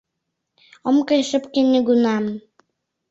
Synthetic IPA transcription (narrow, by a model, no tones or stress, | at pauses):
ɤ̆mkɤjʃə̆pkenʲːeɡunɑm